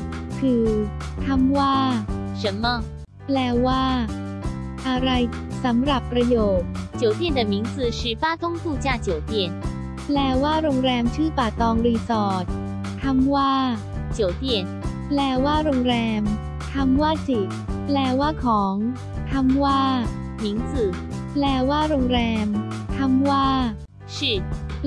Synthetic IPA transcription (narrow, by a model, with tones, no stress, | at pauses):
kʰɯː˧t̪ʰa˧˥mwaː˥˩ʂə˨˦nmə˧ | plɛː˧waː˥˩ | ʔa˧ɾa˧j | sa˩˦mɾa˨˩pːɾa˧joː˨˩t̪̚t͡ɕjo˨˩˦ʊt̪̬jɛ˥˩nd̪ə˩mi˨˦˥nd͡z̩˧˩ʂɻ̩˥˩fa˦˥t̪ʊ˥ŋt̪u˥˧t͡ɕja˥˩t͡ɕjo˨˩ʊt̪jɛ˥˩n | plɛː˧waː˥˩ɾo˧ŋɾɛː˧mt͡ɕʰɯː˥˩paː˨˩t̪ɔː˧ŋɾiː˧sɔː˨˩t̪̚ | t̪ʰa˧˥mwaː˥˩ | t͡ɕjo˨˩ʊwt̪jɛ˥˩nplɛː˧˩waː˥˩ɾo˧ŋɾɛː˧m | t̪ʰa˧˥mwaː˥˩si˨˩ | plɛː˧waː˥˩kʰɔː˩˦ŋ | t̪ʰa˧˥mwaː˥˩ | mi˨˦ŋt͡sɨ˨˩ | plɛː˧˩waː˥˩ɾo˧ŋɾɛː˧mt̪ʰa˧˥mwaː˥˩ | ʂ̩˥˩